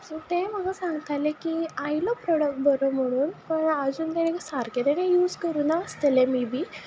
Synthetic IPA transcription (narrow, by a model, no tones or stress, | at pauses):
suʈ̪em̤əɡasãŋɡət̪alekiajlɔpɾɔɽək̚ʈ̚bəɾom̤əɽ̃uːnpəɳəd͡zuːnt̪ɛenekasaɾket̪enejuːd͡zkəɾunaəst̪əlemibʱiː